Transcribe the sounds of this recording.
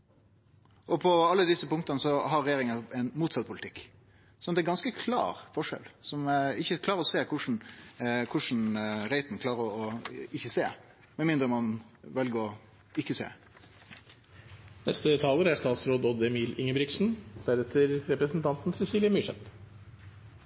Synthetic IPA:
ʔɔpʰɔɑlːəd̪ɪsːəpʊŋkt̪ɑnəsɔɦɑɾɛjeːɾɪŋɑɛnmuːt̪sɑt̪̚pʰʊlt̪ʰɪkː | sɔnt̪d̪ɛæɾɡɑnskəkʰlɑ̰ːɾfɔʂɛ̰lsɔmɪçːəkʰlɑːɾəɾɔseːkʰʊʂn̩kʰʊʂn̩ɾæɪt̪n̩kʰlɑːɾəɾɔɪçːəseː | mɛnmɪnd̪ɾəmɑn | ʋɛlɡəɾɔ | ɪçːəsḛː | nɛst̪ət̪ʰɑləɾæʂt̪ɑːt̪sɾoːd̪ɔd̪ɛmiːlɪŋəbɾɪksn̩d̪̥æɾɛt̪ʰəɾɾɛpɾəsn̩t̪ʰɑnt̪n̩sɛsiːlɪəmyʂɛ̰t̪

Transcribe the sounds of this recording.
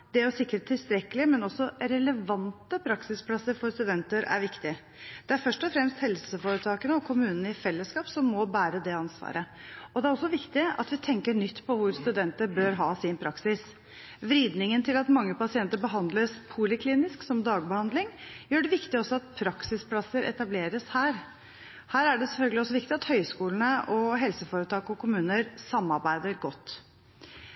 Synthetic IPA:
d̪̥ɛɾɔsɪkːəɾət̪ʰːɪlst̪ɾɛkːəlɪmɛnɔsːɔɾɛləʋɑnt̪əpʰɾɑksɪspʰlɑsːəɾfɔɾst̪ʉd̪ɛnt̪əɾæ̰ɾʋɪkt̪ɪ | d̪̥ɛæɾfœʂʈɔfɾɛmst̪hɛlsəfoːɾət̪ʰɑːkənəɔkʰʊmʉːnənəɪfɛlːəskɑːpsɔmːɔbæːɾəd̪ɛɑnsʋɑ̰ːɾʔəɔd̪ɛæɾɔsːɔʋɪkt̪ɪɑ̰t̪ʋɪt̪ʰɛŋkəɳʏt̪ːpʰɔʋʊɾst̪ʉd̪ɛnt̪əɾbøɾɦɑːsɪnpʰɾɑksɪs | ʋɾiːd̪nɪŋənt̪ʰɪlɑt̪mɑŋːəpɑsɪɛnt̪əɾbəɦɑnd̪ləspʰʊlɪkʰliːnɪsksɔmd̪ɑːɡ̚bəhɑnd̪lɪŋjøːɖɛʋɪkt̪ɪɔsːɔɑt̪pʰɾɑksɪspʰlɑsːəɾʔɛ̰t̪ɑbleːɾəshæːɾ | hæːɾæɖɛsɛlfœlɡəlɪɔsːɔʋɪkt̪ɪɑt̪hœʏskuːlən̩əʔɔɦɛlsəfoːɾət̪ʰɑːkɔkʰʊmʉːnəɾsɑmːɑɾbæɪd̪əɾɡɔt̪ː

